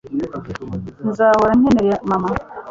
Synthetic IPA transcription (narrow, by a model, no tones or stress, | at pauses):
nzaːwaɾanɛneɾjamama